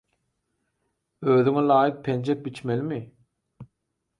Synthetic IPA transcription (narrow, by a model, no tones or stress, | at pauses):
øːðyŋelˠɑːjɯk̚pʰend͡ʒek̚bit͡ʃmelimi